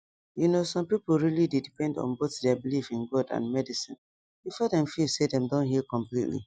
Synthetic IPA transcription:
junosɔ̃mpipol̩ˠɹilidedipɛ̃ndɔ̰̃nboθdɛabilifĩnɡɔdã̰nmɛdisḭ̃n | ifɛdɛ̃mfisedɛ̃mdõnɦikɔ̃mplitlḭ

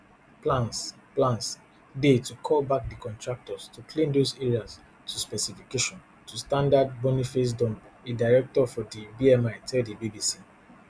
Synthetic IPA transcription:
plãns | plãns | detukʰɔlbak̚dikʰɔ̃ntɹak̚tɔstukʰlĩndozɛɹias | tʰuspɛsifikeʃɔ̃n | tʰustãndad̚bɔnifes̬dɔ̃mbedaɪɹɛk̚tɔfɔdibiɛmaɪtʰɛldibibisi

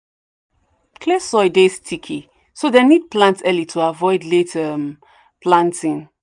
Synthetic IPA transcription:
kʰlesɔɪdestʰikʰi | sodenid̚plãntɛlitʰuavɔɪdletʰɛm | plãntʰĩn

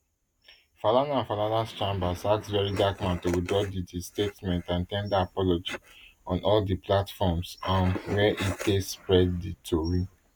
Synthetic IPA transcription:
falanãnfalanãst͡ʃãmbasaksd͡ʒɛɹidakmãntowidɔditistetmɛ̃ntãntɛ̃ndaapɔlod͡ʒiɔ̃nʔɔldiplatfɔmsãnwɛʔitespɹɛdditʰoɹi

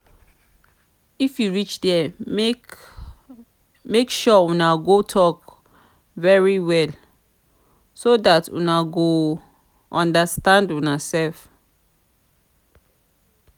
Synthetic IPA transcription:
ifjuɹit͡ʃdɛ | mekʃɔwunaɡotʰɔk | vɛɹiwɛl | sodatṵnaɡo | ɔ̃ndəstãndunasɛlf

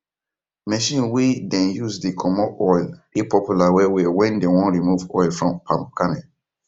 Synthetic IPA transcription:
mɛʃĩnwidɛ̃njuzdikʰɔmɔʔɔjlepɔpjulawewewɛ̃ndewɔ̃nɹimuvɔɪlfɹɔ̃mpʰãmkamɛ̃

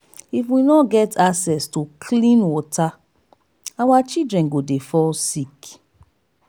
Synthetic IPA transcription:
ifwinɔɡɛtʰaksɛstokʰlĩnwɔta | awat͡ʃidɹɛ̃nɡodefɔlsik

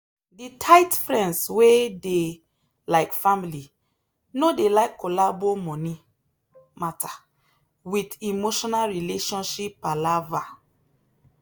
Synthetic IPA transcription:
ditʰaɪtfɹɛ̃ndswede | laɪkfamili | nodelaɪkːolabomɔ̃ni | mata | widimoʃɔnalɹileʃɔ̃nʃipalava

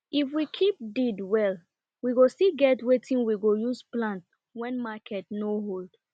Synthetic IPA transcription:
ifwikʰip̚didwɛl | wiɡostiɡɛtwetĩnwiɡojusplãnt | wɛ̃nmakʰɛtnoɦold̥

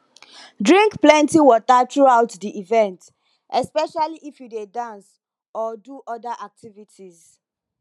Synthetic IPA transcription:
dɹĩŋkplɛ̃ntiwɔtaθɹuaʊtdiʔivɛ̃nt | ʔɛspɛʃaliʔifjudedãns | ɔduʔɔdaʔak̚tʰivitʰiz

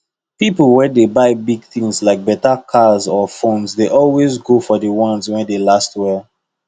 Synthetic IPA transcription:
pipl̩ˠwɛdebaɪbiɡ̚θĩŋslaɪk̚bɛtakʰazɔfõnsdeʔɔlwezɡofɔdəwɔ̃nswɛ̃ndelastwɛl

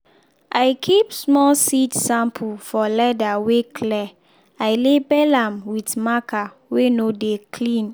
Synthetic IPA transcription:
ʔajkʰipsmɔlsitsãmpʰufɔlɛdawekʰlɛ | ajlebɛlãmwitmaka | wenodekʰlĩn

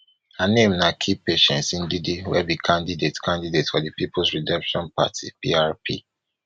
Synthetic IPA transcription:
hanẽmnakʰipeʃɛ̃nsĩndidiwɛ̰bikʰãndidetkʰãndidetfɔdipipʰlsɹidɛ̃mpʃɔ̃npa̰tʰḭpḭaɹpʰi

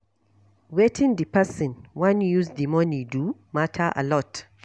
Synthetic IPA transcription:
wetʰĩndipasɔ̃nwãnjuzdimɔnidumatʰaʔa̰lɔt

